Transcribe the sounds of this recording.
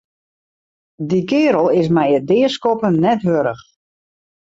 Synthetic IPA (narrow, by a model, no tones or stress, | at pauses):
dikɪːɾəlˠɪs̬mɛjədɪəskɔpənnɛtɦøɾəx